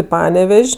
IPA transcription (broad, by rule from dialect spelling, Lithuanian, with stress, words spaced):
ɪ ˈpɑːnʲɛʋʲɛʃʲ